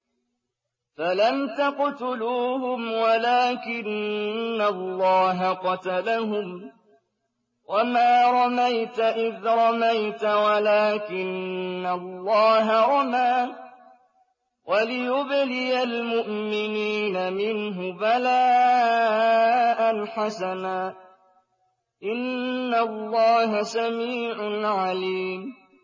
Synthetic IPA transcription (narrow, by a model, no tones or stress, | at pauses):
falamt̪aqt̪ʊluːɦʊmwalaːkɪnː | alːɑːɦaqɑt̪alaɦʊm | wʔamaːɾˤɑmajt̪aʔɪðɾˤɑmajt̪awalaːkɪnːalːɑːɦaɾˤɑmaː | wʔalɪjʊblɪjalmʊʔmɪniːnamɪnɦʊbalaː | ʔanħasanaː | ʔɪnːalːɑːɦasamiːʕʊnʕaliːm